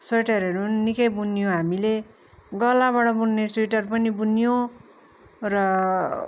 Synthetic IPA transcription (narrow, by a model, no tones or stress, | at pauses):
sʌʈʌɾʌnuːnːikʌjbunijoɦamile | ɡʌlːaβaʈʌbunːesuiʈʌrpʌnibunijo | rʌ